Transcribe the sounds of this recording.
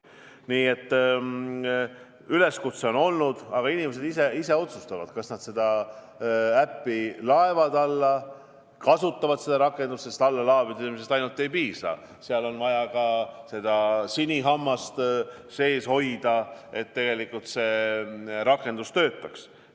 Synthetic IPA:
niːe̞t̪ː | yle̞skut̪seo̞no̞lnud̪̥ɑɡ̥ɑinimes̬ed̪iseise̞o̞t̪sust̪ɑvɑd̪̥kɑsnɑd̪̥se̞d̪̥ɑ | æpːilɑe̞vɑd̪ɑlːɑ | kɑsut̪ːˑɑvɑd̪se̞d̪ɑɾɑkˑːe̞nd̪̥ust̪sest̪ɑlːɑlɑːvid̪emisest̪ɑjnult̪ːˑe̞jpiːsɑ̰ | seɑlo̞nvɑjɑkɑse̞d̪̥ɑsinʲiɦɑmːɑst̪ | se̞ːsho̞jd̪̥ɑe̞t̪ːe̞ɡe̞likːult̪se̞ | ɾɑkːˑe̞nd̪̥ust̪ø̞ːt̪ːˑɑks

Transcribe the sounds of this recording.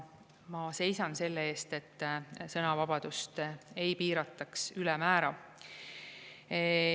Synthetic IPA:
mɑse̞jsɑnse̞lːeeːst̪e̞t̪ːsɤnɑvɑb̥ɑd̪̥ust̪e̞jpiːɾɑt̪ːˑɑksylɛmæːɾɑ

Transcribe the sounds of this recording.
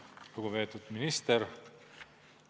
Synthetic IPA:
luɡ̥uve̞ːt̪ˑud̪̥minist̪eɾ

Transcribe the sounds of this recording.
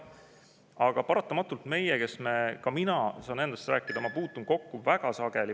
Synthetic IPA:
ɑɡ̥ɑpɑɾɑt̪ːˑɑmɑt̪ːˑult̪me̞jeke̞sme̞kɑminɑsɑːne̞nd̪̥ɑst̪ræːkːˑid̪̥ɑmɑpuːt̪ːˑunko̞kːuvæɡ̥ɑsɑɡ̥e̞li

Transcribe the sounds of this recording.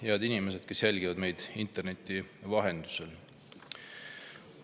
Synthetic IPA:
jeɑd̪inime̞s̬ed̪̥ke̞sːelɡ̥ivɑd̪me̞jd̪̥int̪ːˑe̞rne̞t̪ːˑivɑɦe̞nd̪̥usel

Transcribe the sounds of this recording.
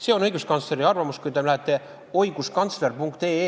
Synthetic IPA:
se̞ːo̞nɤ̞jɡuskɑnt̪sle̞ɾiɑrvɑmuskujd̪elæɦet̪ːˑe̞ | o̞jɡ̥uskɑnt̪sle̞rpuŋkt̪eː

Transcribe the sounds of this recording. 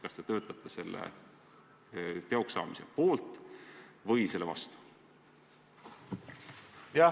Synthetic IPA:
kɑst̪et̪ø̞ːt̪ːˑɑt̪ːˑɑse̞lːḛ | t̪e̞o̞ksɑ̰ːmise̞̰po̞ːlt̪ːˑ | vɤjse̞lːevɑ̰st̪u̥ | jɑ

